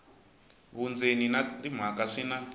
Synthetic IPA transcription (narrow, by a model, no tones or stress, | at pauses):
βund͡zeninatim̤akaʂina